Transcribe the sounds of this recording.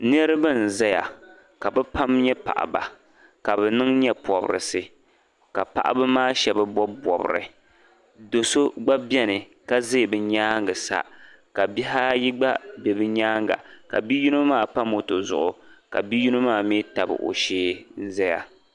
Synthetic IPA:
nɛ˦ɾɨ˦bɨ˦n̩˨zɛ˦ja̰˨ | ka˨bɛ˦pa˦mɲɛ˦pa̰˨ʔa̰˨ba̰˨ | ka˨bɛ˨nɨ˦ŋɲɛ˦pɔ˨bɾɨ̰˨sɨ˨ | ka̰˨pa̰˨ʔa̰˨bɨ˦maː˦˨ʃɛ˨bɨ˦bɔ˦bɔ˨bɨ̰˨ɾɨ̰˨ | do˨so˦ɡ͡ba˦bɛ˦nɨ˨ | ka˦ze˦˨bɨ˨ɲaː˦ŋɡɨ˨sa̰˦ | ka˨bi˦ɦa˦ji˦ɡ͡ba˦bɛ˨bɨ˦ɲaː˦ŋɡa̰˨ka̰˨bi˦ju˦nɨ˦maː˦˨pa˦mo˨to˨zʊ̰˨ʔʊ˨ka̰˨bi˦ju˦nɨ˦maː˦˨mi˦ta˨bɨ̰˨ʔo̰˨ʃeː˦n̩˦zɛ˦ja̰˨

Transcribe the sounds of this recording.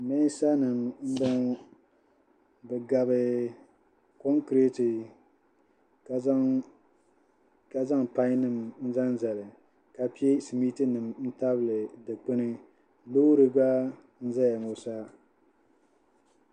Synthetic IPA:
mɛ˦sa˦nɨ˨mm̩˦bɔ˦ŋ˦ | bɨ˨ɡa˨bɨ˨ | kɔ˦ŋkɾe˦tɨ˨˦ | ka˨za˦ŋpa˦ɲ˦nɨ˨mn̩˦za˦n˦za˨lɨ˨ | ka˨pi˦e˦si˨mi˦tɨ˦nɨ˨mn̩˦ta˦bɨ˨lɨ˨dɨ˨k͡pɨ˦nɨ˦ | lo˦ɾɨ˨ɡa˦ | n̩˦za˦ja˨mo˨sa˦

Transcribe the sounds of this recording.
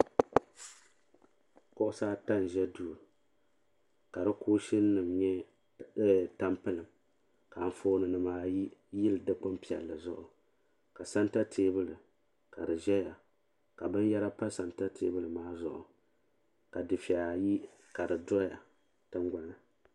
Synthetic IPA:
kʊ˦ʔʊ˦saː˦ta˦n˨ʒɛ˦du˨ | ka˨ɾɨ˦koː˦ʃi˦nː˦ɨ˨mɲɛ˦˨ | ta˦mpɨ˦lɨ˨m | ka˨ɱ˦foː˦nɨ˨nɨ˨maː˦ji˦jɪ˦lɨ˨dɨ˦k͡pʊ˦mpi˨ɛ̰˨lːɨ˨zʊ˦ʔʊ˨ | ka˨sa˦nta˦tʰeː˦bɨ˦lɨ˨ | ka˨dɨ˨ʒɛ˦ja˨ | ka˨bɨ˦n˦jɛ˦ɾa˦pa˦sa˨nta˦tʰeː˦bɨ˦lɨ˨maː˦zʊ̰˨ʔʊ̰˨ | ka˨dɨ˨fɛ˨a˨ji˦ | ka˨dɨ˨dɔ˦ja˨ | tɨ˦ŋɡʷa˦nɨ˨

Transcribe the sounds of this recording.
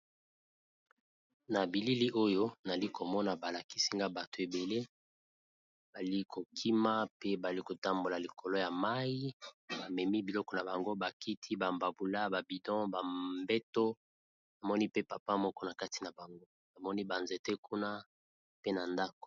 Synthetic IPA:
na˨bi˨li˦li˦ʔo˦jo˦na˨li˦ko˨mɔ˦na˨ba˨la˨ki̥˦si˦ŋɡa˦ba˨to˨e˨be˨le˦ | b̥a˨li˦kʰo˨kʰi˦ma˦pe˦ba˨li˦ko˨ta˦mbo˨la˨li˨kʰo˨lɔ˦ja˨ma˦ji˦ba˨mɛ˨mi˦bi˨lɔ˦kɔ˨na˨ba˨ŋɡo˦ba˨ki˦tʰi˦ba˨mba˨bu˨la˦ba˨bi˨dɔ̃˦ba˨mbɛ˦to˦ | na˨mɔ˦ni˦pe˦pa˨pa˦mɔ˦kɔ˦na˨ka˦ti̥˨na˨ba˨ŋɡo˦ | na˨mɔ˦ni˦ba˨nze˨te˦ku˦na˦ | pe˦na˨nda˦ko̥˨

